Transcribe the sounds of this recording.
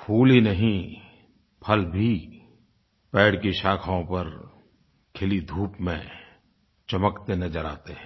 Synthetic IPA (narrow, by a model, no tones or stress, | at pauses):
pʰuːlinɐɦĩ | pʰɐlbʱi | pɛːɽkiʃaːkʰaõpɐɾ | kʰɪlid̪ʱuːpmḛ̃ | t͡ʃɐməkt̪enɐd͡ʒəɾa̰ːt̪eɦɛ̃